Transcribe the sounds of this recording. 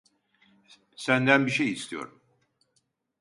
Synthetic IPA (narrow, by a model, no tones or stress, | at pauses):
sænd̪ænbiʃejist̪ʰijo̰ɾum